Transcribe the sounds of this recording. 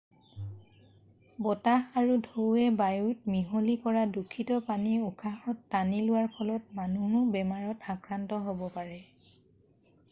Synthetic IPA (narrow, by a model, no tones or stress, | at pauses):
bɔtaxaɹudʱowɛbajutmiɦolikɔɹadukʰːitɔpaniukʰaxɔtːanilʊwaɹpʰɔlɔt̚manuɦʊbɛmaɹɔtakɹantɔɦobɔpaɹɛ